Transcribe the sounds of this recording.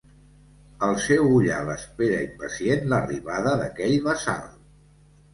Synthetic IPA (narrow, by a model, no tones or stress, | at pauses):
əlˠsɛwuʎa̰ləspeɾəimpəsienləriβaðəðəkɛʎβəsa̰lˠ